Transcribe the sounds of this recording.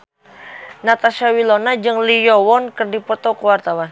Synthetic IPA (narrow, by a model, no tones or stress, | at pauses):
nat̪aʃawilonad͡ʒɨŋlijɔwɔnkərdipɔt̪ɔkəwart̪awan